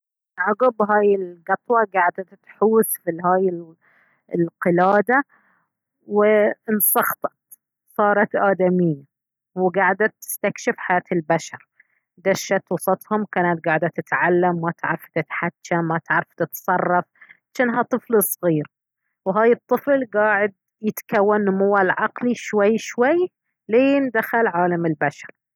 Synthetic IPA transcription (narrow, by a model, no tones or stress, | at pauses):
ʔaɡʊbɦaːjɪlɡɑt̪ˤwɑɡaʕd̪at̪t̪ħuːθfiɦaːjɪ | lqɪlaːd̪a | wɪnsˤɑɣt̪ˤɑ̥t̪ | sˤɑːɾˤɑt̪ʔaːd̪amijːa | wɡaʕd̪at̪ːɪ̥st̪akʃɪfħajaːt̪ɪlbaʃɑɾˤ | d̪aʃːat̪wɑsˤɑt̪ˤhʊmkaːnat̪̚ɡaʕd̪at̪ːɪt̪ʕalːamːat̪ʕɾˤɑft̪ɪt̪ħatːamːat̪ʕɾˤɑft̪ɪt̪sˤɑrˤːɑf | ʃaːnɦat̪ˤɨflsˤɣiːɾ | wɦaːjɨt̪ˤːɨflɡaːʕɪd̪̚ | jɪt̪kawːanːʊmuːwːalʕɑqliʃwajːʃwajː | leːnd̪axalʕaːlamɪlbaʃɑ̥ɾˤ